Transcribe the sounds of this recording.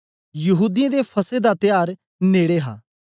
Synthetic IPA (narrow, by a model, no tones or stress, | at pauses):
jɐɦuːd̪iãd̪epʰɐsed̪at̪ɪjaːɾ | neːɽeɦa̰ː